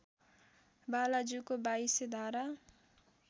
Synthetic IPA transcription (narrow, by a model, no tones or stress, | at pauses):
balad͡ʒukobaised̪ʱaɾa